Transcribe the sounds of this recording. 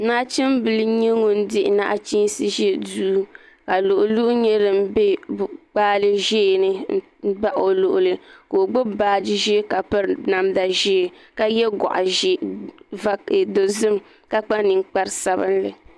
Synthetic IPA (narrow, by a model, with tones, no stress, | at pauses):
na˦t͡ʃi˦mbɨ˨lɨ˦ɲɛ˦ŋo˨n̩˦dɪ˦ʔna̰˦ʔt͡ʃi˦sɨ˦ʒɛ˦duː˦ | ka˨lo˨ʔʊ˨lu˦ʔʊ˦ɲɛ˦ɾɨ˨m̩˦be˦bk͡paː˦lɨ˦ʒeː˦˨nɨ˦ | ba˦ʔo˨lʊ˨ʔʊ˨lɨ˦ko˨ɡ͡bo˦baː˨˦d͡ʒi˦ʒe˦ka˨pɨ˦ɾna˨mda˨ʒeː˦˨ | ka˨jɛ˦ɡɔ̰˨ʔa˨ʒva˦˨do˨zɨ˦m | ka˦k͡pa˦nɨ˨ŋk͡pa˦ɾsa˦bɨ˦n˦lɨ˨